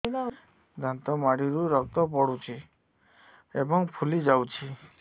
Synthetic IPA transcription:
d̪ʱant̪ɔmaɽiɾuɾɔk̚t̪ɔp̬ɔɽut͡ʃʰi | ebɔŋpʰulid͡ʒawt͡ʃʰi

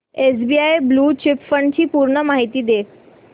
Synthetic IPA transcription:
es̬biajbluːt͡ɕɪpfəɳɖt͡ɕiːpuɾɳəmaɦit̪iːd̪e

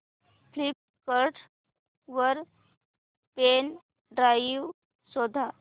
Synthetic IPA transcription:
pʰlip̚ | kəɾʈʰ | ʋəɾ | pen | ɖɾaiʋ | sɔd̪ʱa

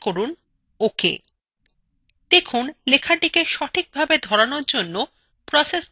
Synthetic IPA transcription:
koɾun | okḛ | d̪̥ekʰunlekʰaɖikeʃɔʈʰik̚bʱabed̪ʱɔɾanoɾd͡ʑonːo | pɾɔses

